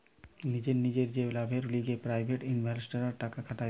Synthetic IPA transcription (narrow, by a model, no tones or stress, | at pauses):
nid͡ʑeɾnid͡ʑeɾd͡ʑelabʱeɾuliɡepɾajbʱeʈinbʱelsʈaɾaɾʈakakʰaʈa